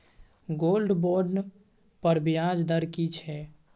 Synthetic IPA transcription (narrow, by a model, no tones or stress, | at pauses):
ɡolɖboɾɖn | pəɾbijad͡ʒd̪əɾkit͡ʃʰɛ